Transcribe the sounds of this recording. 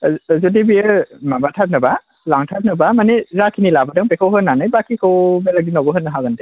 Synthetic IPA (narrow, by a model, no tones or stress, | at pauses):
zɔdibijəmabatʰat̚nɯba | laŋtʰat̚nɯbamanezakʰinilabadaŋpekʰawɦɯnːanajbakʰikʰɯwmelaɡdinɔbɔɦɯnɯɦaɡɯnde